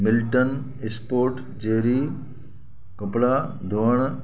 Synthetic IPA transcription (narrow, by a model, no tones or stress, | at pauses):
mɪlʈən | ɪspoːɾʈ | d͡ʑeːɾiː | kɐpɽa | d̪ʱoəɽ̃